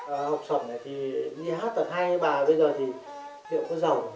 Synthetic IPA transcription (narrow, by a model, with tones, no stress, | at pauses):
ha˨˩wk͡p̚sə˨˧˩na˨˩jt̪ʰi˨˩ɗi˧ɦaː˦˥t̪̚t̪aː˧˩ɦaː˧jɓaː˨˩ɓə˧jzəː˨˩t̪ʰi˨˩ | lʰḭ˧˨ŋ͡mkɔ˨˦zə˨˩w